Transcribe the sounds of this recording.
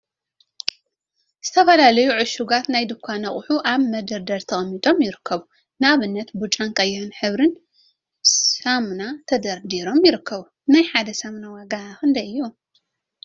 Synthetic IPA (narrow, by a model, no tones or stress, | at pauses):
z̥ɨt̪ʰɐfɐlalɐjuʕʊʃuɡat̪najd̪ɨkʷʰːanɐχʼʊħuʔaβmɐd̪ɐɾd̪ɐɾt̪ʰɐχʼɐmːit̪ʼo̞mjɪɾɨkʰːɐβu | naβɨnːɐt̪but͡ʃʼankʼɐjːɛhɨnħɨβɾɨn | samnat̪ʰɐd̪ɐɾd̪iɾo̞mjɪɾɨkʰːɐβu | najħad̪ɐsamnawaɡakɨnd̪ɐjɨjːo